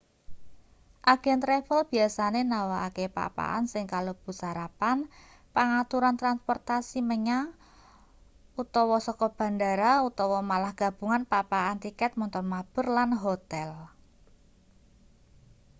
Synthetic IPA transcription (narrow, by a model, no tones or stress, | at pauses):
ʔaɡ̥ɛnt̪ɾɛfəlb̥i̤asanenawaakepa̰pa̰ʔa̰nsɪŋkalob̥ṳsaɾapan | paŋat̪uɾant̪ɾanspɔrt̪asiməɲa | ut̪ɔwɔsɔkɔb̥a̤ndaɾaut̪ɔwɔmalahɡ̥a̤b̥ṳŋanpapaʔːnt̪ikɛt̪̚mɔnt̪ɔrmab̥ə̤rlanɦot̪ɛl